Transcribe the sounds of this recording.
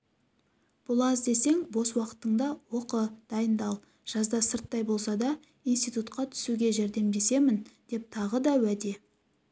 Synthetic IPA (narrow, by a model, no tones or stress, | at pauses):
b̥ʊlˠɑzd̪e̞se̞ŋbo̞swɑqə̥t̪əɴd̪ɑwo̞qəd̪̥ɑjənd̪ɑlˠ | ʒ̥ɑzd̪ɑsəɾt̪ːɑjbo̞lˠsɑd̪ɑ | inst̪ijt̪ut̪qɑt̪ʰʏ̥suɡʲe̞ʒeɾd̪e̞mbe̞se̞mɪnd̪̥e̞p̚t̪ʰɑʁəd̪ɑwæd̪e̞